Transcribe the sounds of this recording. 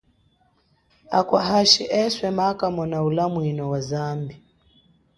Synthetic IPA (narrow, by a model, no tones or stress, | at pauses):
akwaɦaʃiʔɛswɛmakamɔnaulamwinɔwazambi